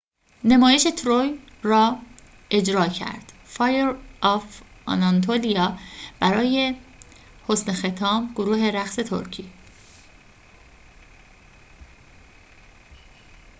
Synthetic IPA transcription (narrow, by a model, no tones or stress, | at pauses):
nemɒːje̞ʃe̞t̪ʰɾoj | rɒː | e̞d͡ʒɾɒːcʰæ̰ɾd̪̥fɒːjeɾʔɒfɒ̰nɑnt̪ʰolijɒːb̥æɾɒːje̞ | ho̞snexe̞t̪ʰɒːmɡoɾuːɦe̞ɾæxse̞t̪ʰo̰ɾcʰi